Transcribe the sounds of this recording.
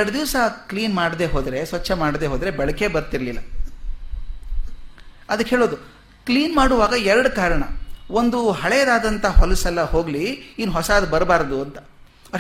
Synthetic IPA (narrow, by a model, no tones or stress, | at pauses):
ɐɖɐd̪iʋsɐkliːnmaːɽd̪e̞ːɦo̞ːd̪ɾe̞sʋɐt͡ʃːɐmaːɽd̪e̞ːɦoːd̪ɐɾe̞bɛɭɐke̞bɐɾt̪iɾɐlilːɐ | ɐd̪ɐkɦeːɭoːd̪u | kliːnmaːɽuʋaːɡɐɛɾɐɽkaːɾɐɳɐond̪uɦɐɭejd̪aːd̪ɐnt̪ʰɐhɦɔlɐsɐlːɐho̞ːɡliinːuɦɔsad̪ubɐɾbaːɾd̪uɐnt̪ɐ̥